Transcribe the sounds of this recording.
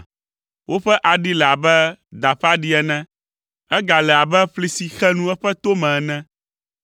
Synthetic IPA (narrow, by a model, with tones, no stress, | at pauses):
wo˦ɸɛ˦ʔa˨ɖi˦lɛ˨a˨bɛ˦d̪a˨ɸa˦ɖi˦ɛ˦nɛ̃˦ | ɛ˦ɡa˨lɛ˨a˨bɛ˦ɸli˨si˨xɛ˦nũ˦ɛ˦ɸɛ˦t̪o˦mɛ̃˨ɛ˨nɛ̃˦